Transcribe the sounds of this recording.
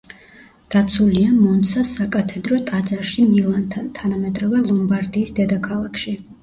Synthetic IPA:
d̪̥at̪sʰuliamɔnt̪sʰasakʼat̪ʰɛd̪ɾɔt̪ʼad̪zaɾʃimilˠant̪ʰant̪ʰanamɛd̪ɾɔvɛlˠɔmbaɾd̪iːsd̪ɛd̪akʰalˠakʰʃi

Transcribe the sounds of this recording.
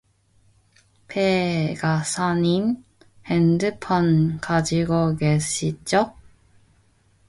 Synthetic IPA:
pʰeɡasʰanin | hɛndɯpʰʌnkad͡ʑiɡoɡesit͡ɕ͈o

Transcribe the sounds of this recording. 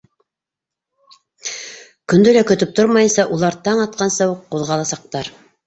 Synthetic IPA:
kɵ̆nd̪ɵlækɵ̆t̪ɵp̚t̪ʰoɾmɑjɤ̆nsɑʔulˠɑɾt̪ɑɴɑt̪̚qɑnsɤwuqːuðʁɑlˠɑsɑq̚t̪ɑɾ

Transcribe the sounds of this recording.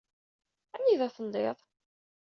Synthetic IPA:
æniðæθənd̪eðˤ

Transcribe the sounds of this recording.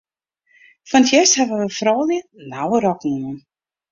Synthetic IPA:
fɔnətʰjɛsthɛvəʋəfrɔːljənawəɾɔknumən

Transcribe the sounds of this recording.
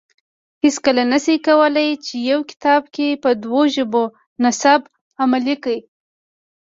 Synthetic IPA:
hɪskəlanasikawəlajt͡ʃejawkɪ̥t̪ɑb̚kepəd̪woʒəbo | nasab | amalikəj

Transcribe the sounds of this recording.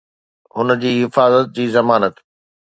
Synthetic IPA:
ɦʊnd͡ʑiːɦɪfaːzət̪̚d͡ʑiːzɐmaːnət̪

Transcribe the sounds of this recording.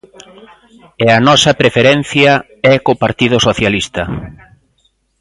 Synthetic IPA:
ɛɐnɔsɐpɾefeɾɛn̟θjɐ | ɛkopaɾt̪iðʊsoθjalist̪ɐ

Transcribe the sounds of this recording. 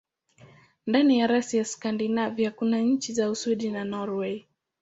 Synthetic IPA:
ndanijaɾasiaskandinavihakunaɲ̩t͡ʃizausuɗinanɔɾwɛi

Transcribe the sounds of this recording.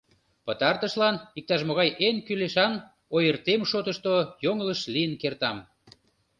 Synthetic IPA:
pət̪ɑrt̪əʃlɑnik̚t̪ɑʃmoɣɑjʔenkyleʃɑn | ojərt̪emʃot̪əʃt̪ojoŋləʃlijənkert̪ɑm

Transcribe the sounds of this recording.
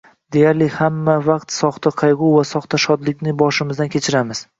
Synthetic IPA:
d̪e̞jaɾlɪhamːavɑqt̪sɒχt̪ʰaqʰɑjʁʊwvasɒχt̪ʰaʃɒd̪lɪk̚ʲnɪbɒʃɪmɪzd̪ankʲʰe̞t͡ʃʰɪɾamɪz̥

